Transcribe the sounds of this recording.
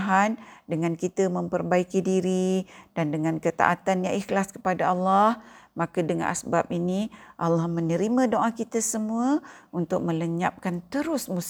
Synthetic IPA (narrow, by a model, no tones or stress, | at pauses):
ɦandəŋãnkit̪əmə̃mpərbaikidiɾidandəŋãnkət̪a̰ʔat̪anjaŋʔixlaskə̥padaalːahmakadəŋã̰nʔa̰sbap̚iniʔalːahmə̃nəɾimãdoʔakit̪asəmuəunt̪ʊk̚mə̃ləɲap̚kant̪əɾʊsmus